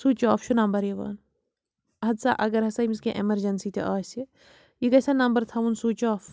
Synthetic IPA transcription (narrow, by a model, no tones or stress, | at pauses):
suːt͡ʃɔːfʃʰunɐmbɐɾjeʋɐ̰ːn | ɦɐd̪sa̰ʔɐɡɐɾɦɐsɐimiskeʔemɐɾd͡ʒɐnsiːt̪ʰḛʔaːse | jikɐsanɐmbəɾt̪ʰɐʋunsut͡ʃoːf